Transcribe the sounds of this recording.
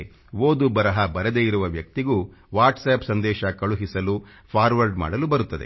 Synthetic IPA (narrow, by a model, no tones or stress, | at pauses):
ʋoːd̪ubɐɾɐɦɐbɐɾɐd̪eːjiɾuʋɐʋjɐk̚t̪iɡuːʋaːɾʈseːpsɐnd̪ɛːʃɐkɐɭuɦisɐlu | pʰaːɾʋɐɾɖma̰ːɽɐlubɐɾut̪ːɐd̪ḛ